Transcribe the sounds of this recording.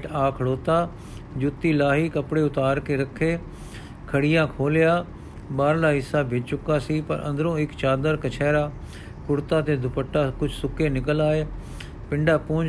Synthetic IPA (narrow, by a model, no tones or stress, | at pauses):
ʈaːkʰəɽoːt̪aː | d͡ʒʊt̪ːiːlaːɦiːkəpɽeːʊt̪aːɾkeːɾəkʰːeː | kʰəɽɪjãːkʰoːljaː | baːɾlaːɦɪsaːbʱɪt͡ʃt͡ʃʊkaːsiːpə̰ɾʔə̰̃nd̪əɾõːɪkt͡ʃaːd̪əɾkət͡ʃʰɛːɾaː | kʊɾt̪aːt̪eːd̪ʱʊpəʈːaːkʊt͡ʃʰsʊkeːnɪkəlaːeː | pɪ̃ɳɖaːpʊ̃ːd͡ʒ